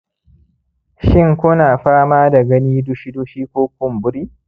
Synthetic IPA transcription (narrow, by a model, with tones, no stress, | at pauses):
ʃɪ˦ŋkʷʊ˦naː˨ɸaː˦maː˦da˨ɡɐ˦niː˦dʊ˦ʃi˦du˦ʃiː˦kʷoː˦k̚ʷʊ˦mbʊ˦ɾiː˦